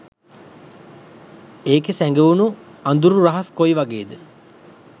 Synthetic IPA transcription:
eːkesæŋɡeunuand̪uɾuraɦaskojʋaɡeːd̪ə

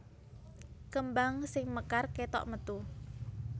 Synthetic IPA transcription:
kəmbaŋsɪŋməkarket̪ɔ̰ʔmət̪u

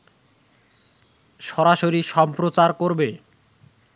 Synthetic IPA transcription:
ʃɔɾaʃoɾiʃɔmpɾot͡ɕaɾkoɾbe

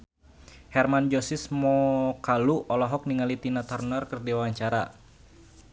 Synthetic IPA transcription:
hɛrmand͡ʒɔsismɔkaluɔlɔɦɔk̚niŋalit̪inat̪ɔrnərkɨrdiwawaɲt͡ʃaɾa̰

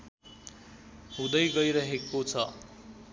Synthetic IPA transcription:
ɦud̪ʌjɡʌjɾʌɦekːot͡sʰʌ

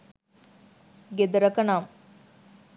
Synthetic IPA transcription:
ɡed̪ɐɾɐkɐnaːm

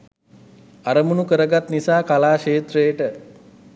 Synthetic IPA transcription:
aɾəmunukəɾəɡat̪nisaːkalaːʃeːt̪rejəʈə

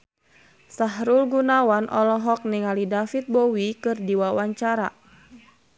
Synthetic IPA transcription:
saɦɾulɡunawanʔɔlɔɦɔk̚niŋalidafit̪̚bɔwikɨrdiwawaɲt͡ʃaɾa̰

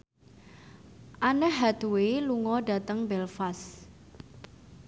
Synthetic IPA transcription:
ʔanəhːad̪̥uweluŋɔɖa̤t̪əŋbɛlfas

